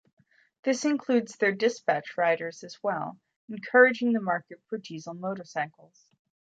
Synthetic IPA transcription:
ðɪsɨ̃nkʰl̥ʉdzðə˞dɨspæt͡ʃɹaɪɾə˞zɨzwɛlˠ | ɨ̃n̩kʰɜ˞ɨd͡ʒɪ̃ŋðɨmɑɹkɨt̚fʰɹədiz̩n̩moʊɾə˞saɪkl̩ˠz̥

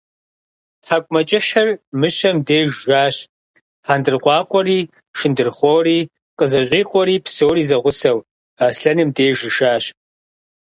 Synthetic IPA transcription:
ħakʷʼmɐt͡ʃʼɪħɐrmɨʃɐmdeːʒʒaːɕ | ħandɨrqʷɑːqʷʼɔriː | ʂɨndɨrχʷowriː | qʼəzɐɕʼiːqʷʼɔɾiːpsowriːzɐʁʷʊsɐw | aːɬɐnɨmdeːʒɨʃaːɕ

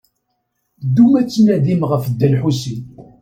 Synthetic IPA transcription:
d̪ːumæt͡sːnæðimʁəfd̪ːælħusin

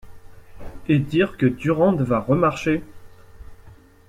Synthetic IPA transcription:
ed̪iʁkəd̪yʁɑ̃d̪vaʁəmaʁʃe

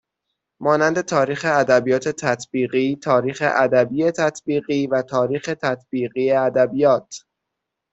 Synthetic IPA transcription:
mɒːnænd̪e̞t̪ʰɒːɾiːxe̞æd̪æbijɒːt̪ʰe̞t̪ʰæt̪ʰbiːɢiːt̪ʰɒːɾiːxe̞̰ʔæd̪æbiːjet̪ʰæt̪ʰbiːɣiːvæt̪ʰɒːɾiːxe̞t̪ʰæt̪ʰb̥iːɣiːeæd̪æbijɒːt̪ʰ

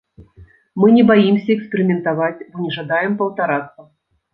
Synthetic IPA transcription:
mɨnʲɛbajimsʲɐɛkspʲɛɾʲɪmʲɛnt̪avat͡sʲbɔnʲɛʐad̪ajɛmpɐwt̪aɾat̪sːɐ

